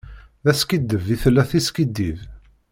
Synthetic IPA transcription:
ðæskid̪ːəviθlːæθiskid̪ið

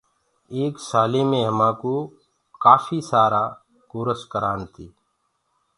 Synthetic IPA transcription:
eːksaːleːmẽːɦəmãːkoː | kaːfiːsaːɾaː | koːɾəskəɾaːnt̪iː

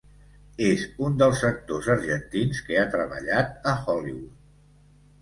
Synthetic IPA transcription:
ezund̪əlˠsːək̚t̪ozəɾʒənt̪inskeat̪ɾəβə̰ʎat̪əxɔliβut̪̚

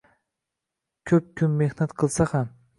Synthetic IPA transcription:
kʲʰɵp̚kʲʰʊnːehnat̪qʰɨlˠsaham

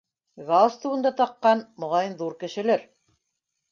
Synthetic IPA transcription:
ɣɑlˠst̪uwɤ̆nd̪ɑt̪ɑqːɑnmŏʁɑjɤnðuɾkɘ̆ʃɘ̆læɾ

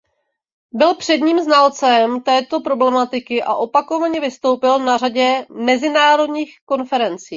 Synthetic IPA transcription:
bɪlpr̝̥ɛdɲiːmznalt͡sɛmt̪ɛːt̪o̞pɾo̞blɛmat̪ɪkɪʔaʔo̞pako̞vaɲɛvɪst̪o̞wpɪlnaraɟɛmɛzɪnaːɾo̞d̪ɲiːxko̞nfɛɾɛnt͡siː

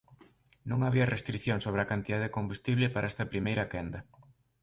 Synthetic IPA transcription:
nõŋaβiɐrest̪ɾiθjoŋsoβɾeakant̪iðaðekombust̪iβlɪpaɾaɛst̪ɐpɾimejɾɐkɛnd̪ɐ

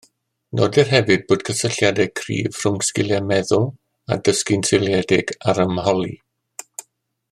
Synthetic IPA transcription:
nɔ̰dɪrɦɛvɨd̚boːd̥kʰəsəɬjadɛkʰrḭːv̥rʊŋskɪlˠɛmɛðʊlˠ | a̰dəskɪnsʰɪlˠjɛdɪɡaɾəmhɔlˠḭ

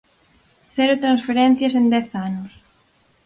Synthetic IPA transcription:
θeɾot̪ɾãnsfeɾẽn̟θjɐsend̪ɛθanʊs

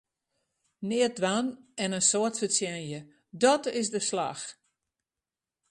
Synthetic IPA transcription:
nɪət̚d̚ʋanɛnənsoətfəsjɛnjə | dɔtɪsdəsla̰x

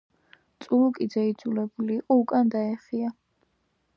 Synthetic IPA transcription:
t̪sʼulukʼid̪zaid̪zulɛbuliːqʼɔukʼand̪aɛχia

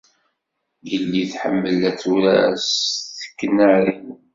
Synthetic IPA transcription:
jəlːiθħə̰mːəlæt͡sːuɾæsθə̥kːnəʕɾin

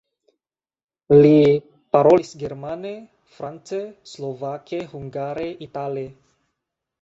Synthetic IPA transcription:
li | paɾolisɡeɾmane | fɾant͡seslovakehuŋɡaɾeʔitale

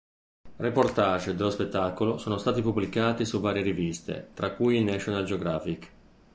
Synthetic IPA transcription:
riport̪aːd͡ʒd̪elospet̪ːakolosoːnost̪aːt̪ipublikaːt̪isuvaːɾjeɾivist̪ḛt̪ɾakːujinɛt͡ʃːonald͡ʒeoɡɾaːfik

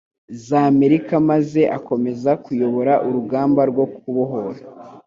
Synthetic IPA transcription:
zame̞ɾikamaze̞ʔako̞me̞zakujo̞βo̞ɾaʔuɾuɡaːmbaɾɡwo̞kuβoɦoɾa

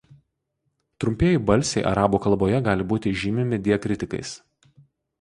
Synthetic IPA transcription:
t̪ɾʊmʲpʲeːjɪbɐlʲsʲɛɪʔɐ̰ɾɑːbuːkɐlˠboːjɛɡɑːlʲɪbuːt̪ʲɪʒʲiːmʲɪmʲɪd̪ʲiɛkɾʲɪt̪ʲɪkɐ̰ɪs

